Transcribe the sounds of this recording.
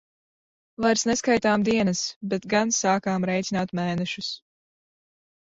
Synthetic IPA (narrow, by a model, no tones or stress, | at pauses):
vajɾsnɛskajt̪aːmd̪iɛnɐsbet̪ɡansaːkaːmɾɛjt̪sinaːt̪mɛːnɛʃus